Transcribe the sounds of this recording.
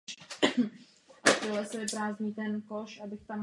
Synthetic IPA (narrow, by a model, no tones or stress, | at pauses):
ʔat̪olɛsɛbɛpɾaːzɲiːt̪ɛnkoʃʔabɪxt̪am